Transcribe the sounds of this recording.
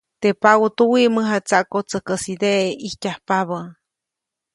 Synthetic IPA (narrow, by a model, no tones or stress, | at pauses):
t̪epawot̪uwiʔməɦat͡saʔkot͡səkəsid̪eʔeihcʲahpaβə